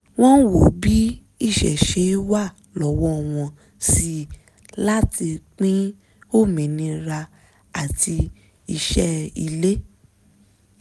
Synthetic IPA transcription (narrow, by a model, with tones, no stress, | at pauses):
w̃ɔ̃˦n˦wo˨bi˨˦ | i˦˨ʃɛ̰˨ʃe˨˦i˦wa˦˨ | lɔ˨wɔ˦˨w̃ɔ̃˧ | si˧˦ | la˦ti˧k͡pĩ˦ | o˦˨mĩ˨nĩ˧ɾa˧ | a˨tʰi˧ | i˧ʃɛ˦i˧le˦